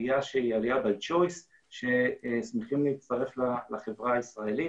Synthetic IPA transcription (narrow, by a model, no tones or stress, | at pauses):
jaʃeialiabed͡ʒojs | ʃesmeχimleitst̪aʁeflalaχevʁaaisʁae̞li